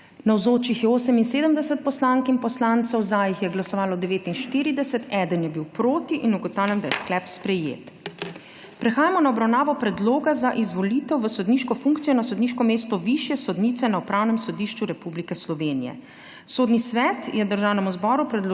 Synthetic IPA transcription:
nawzoːt͡ʃixjɛoːsəminseːd̪əmd̪ɛsət̪̚pɔslaŋkinpɔslant̪sɔwzajixjɛɡlasɔʋaːlɔd̪ɛʋeːt̪inʃt̪iɾid̪ɛsət̪ɛd̪ənjɛbiwpɾoːt̪iʔinuɡɔt̪awlʲɛnd̪ajɛsklɛpspɾɛjḛːt̪ | pɾɛxaːjamɔnaɔbɾawnaːʋɔpɾɛd̪loːɡazaʔizʋɔliːt̪ɛwʋəsɔd̪niʃkɔfuŋkt̪sijɔnasɔd̪niʃkɔmeːst̪ɔʋiʃjɛsɔd̪niːt̪sɛnaupɾaːwnɛmsɔd̪iʃt͡ʃuɾɛpublikɛslɔʋeːnijɛ̰ | soːd̪nisʋɛt̪jɛd̪əɾʒaːwnɛmuzbɔːɾupɾɛd̪l

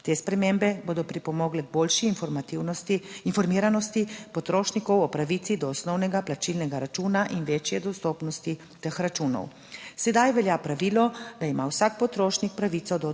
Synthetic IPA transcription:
t̪eːspɾɛmembɛboːd̪ɔpɾipɔmɔːɡlɛboːlʃiːnfɔmat̪iinfɔɾmiːɾanɔst̪ipɔt̪ɾoːʃnikɔwɔpɾaʋiːt̪sid̪ɔːsnɔwnɛɡaplat͡ʃilnɛɡaɾat͡ʃuːnaʔinʋeːt͡ʃjɛd̪ɔst̪oːpnɔst̪i | t̪əxɾat͡ʃuːnɔ̰w | sɛd̪ajʋɛljaːpɾaʋiːlɔd̪aimawsak̚pɔt̪ɾoːʃnik̚pɾaʋiːt̪sɔd̪ɔ

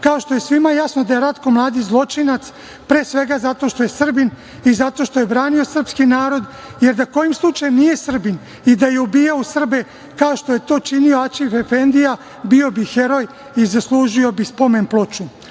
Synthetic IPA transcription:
kaoʃt̪o̞jesʋimajasnod̪ajeɾat̪ko̞mlˠaːd̪izlˠo̞t͡ʃinat̪s | pɾeːsʋe̞ɡazat̪o̞ʃt̪o̞je̞sr̩bin | izat̪o̞ʃt̪o̞jebɾaːnio̞sr̩pskinaːɾo̞d̪ | jeɾd̪ako̞jimslˠut͡ʃajumnije̞sr̩bin | id̪ajeubiːjausr̩be | kaoʃt̪o̞je̞t̪o̞ːt͡ʃinioat͡ʃifefend̪ija | bio̞bixe̞ɾo̞j | izaslˠuʒio̞bispo̞menplˠot͡ʃu

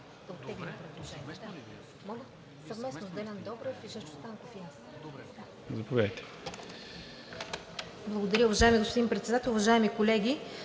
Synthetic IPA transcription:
d̪ɐot̪ːɛɡlʲɛmpɾɛd̪lˠoʒɛnʲiiɛd̪a | mɔɡə | sɐvmɛsnozd̪ɛlʲand̪ɔbɾəfiʃɛʃt̪o̥st̪ank̪ofin | d̪a | zɐpovʲjad̪əjt̪ɛ̥ | blˠɐɡod̪ɐɾʲəʊvɐʒaɛmiɡospod̪impɾɛt̪sɛd̪at̪ɛlˠʊvɐʒaɛmikolɛɡʲi

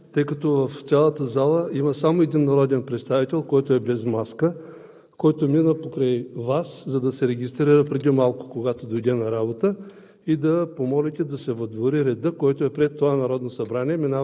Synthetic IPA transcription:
t̪ɤjkɐt̪ɔvɐft̪sʲalˠət̪əzalˠəimɐsamoɛd̪inːɐɾɔd̪ɛnpɾɛt̪st̪avit̪ɛlˠkɔjt̪oɛbɛzmaskə | kɔjt̪ominəpokɾajvaszɐd̪ɐsɛɾɛɡʲist̪ɾiɾəpɾɛd̪imalˠko̥koɡat̪od̪ojd̪ɛnɐɾabot̪ə | id̪ɐpomɔlʲit̪ɛd̪ɐsɛvɐd̪voɾiɾɛd̪əkɔjt̪oɛpɾɛt̪ːovanɐɾɔd̪nosɐbɾaniɛmina

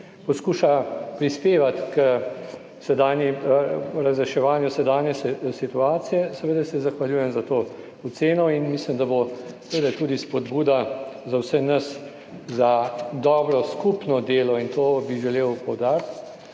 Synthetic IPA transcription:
pɔskuːʃapɾispeːʋat̪kə | sɛd̪aːnji | ɾazɾɛʃɛʋaːnjusɛd̪aːnjɛsit̪uaːt̪sijɛsɛʋeːd̪asɛzaxʋaljuːjɛmzat̪o | ɔt̪seːnɔinmislimd̪abosʋed̪at̪uːd̪ispɔd̪buːd̪azawsɛnɐs | zad̪ɔːbɾɔskupnɔd̪eːlɔint̪oːbiʒɛleːwpɔwd̪aːɾt̪

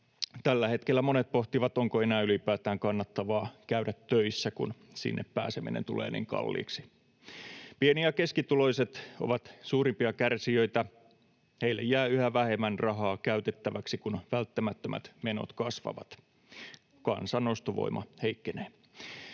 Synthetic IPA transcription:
t̪ælːæhet̪kelːæmonet̪̚poht̪iʋɑt̪oŋkoenæːylipæːt̪æːŋkɑnːɑt̪ːɑʋɑːkæydæt̪ːøisːækṵn | sḭnːʔeppæ̰ːsemḭnḛnt̪ṵlḛːnḭːŋkɑ̰lːḭːksi̥ | pieniæke̞skit̪ulo̞jset̪o̰ʋɑt̪suːɾimpiɑkærsiøit̪æ | heilːḛjæːyhæʋæhemænrɑɦɑːkæyɥt̪et̪ːæʋæksikunʋælt̪ːæmæt̪ːæmæ̰t̪meno̰t̪kɑsʋɑ̰ʋɑ̰t̪ | kɑ̰nsɑnost̪oʋo̰imɑ̰heikːeneː

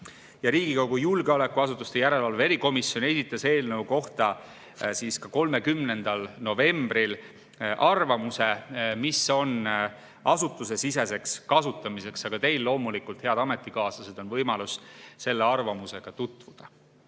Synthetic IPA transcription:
jɑɾiːɡ̥ikoɡ̥ujulɡeo̞le̞kːuɑsut̪ːˑust̪e̞jæɾe̞lɑlve̞ɾiko̞misːjo̞ne̞sit̪ːˑɑse̞ːlnəuko̞ht̪ɑ | siːskɑko̞lme̞kymne̞nd̪̥ɑlno̞ve̞mbɾil | ʔɑrvɑmuse̞miso̞n | ɑsut̪ːˑuse̞sise̞se̞kskɑsut̪ːˑɑmise̞ksɑɡ̥ɑt̪e̞jlːo̞ːmulikult̪eɑd̪̥ɑme̞t̪ːˑikɑːsɑse̞d̪o̞nvɤjmɑlusse̞lːe̞ɑrvɑmuse̞ɡ̥ɑt̪ut̪ːˑvud̪̥ɑ

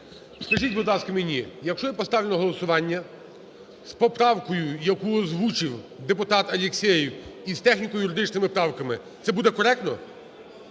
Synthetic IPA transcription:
skɐʒitʲbʊd̪lˠɑskɐmenʲijɐkʃt͡ʃɔjɛpɔst̪ɑʋlʲenɔɦɔlˠɔsʊʋɑnʲːɐ | spɔpɾɑwkɔjʊjɐkuɔzʋut͡ʃɪwd̪epʊt̪ɑt̪ɐlʲeksʲɛjiwist̪ɛxnʲikɔjʊɾɪd̪ɪt͡ʃnɪmɪpɾɑwkɐmɪ | t̪sɛbud̪ɛkɔɾɛk̚t̪nɔ

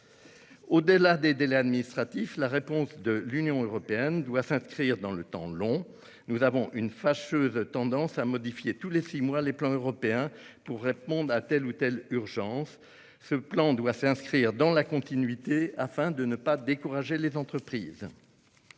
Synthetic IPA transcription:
od̪əlad̪ed̪elɛad̪minist̪χat̪iflaʁepɔ̃sd̪əlynjɔ̃øʁɔpeɛnd̪wasɛ̃skχiʁd̪ɑ̃lət̪ɑ̰̃lɔ̃ | nuzavɔ̃ʔynfaʃøzt̪ɑ̃d̪ɑ̃samɔd̪ifjet̪ulesimwaleplɑ̃øʁɔpeɛ̃puʁːepɔ̃d̪ʁat̪ɛlut̪ɛlyʁʒɑ̃sː | əplɑ̃d̪wasɛ̃skχiʁd̪ɑ̃lakɔ̃t̪inɥit̪eafɛ̃d̪ənəpad̪ekuʁaʒelezɑ̃t̪χəpχiːz

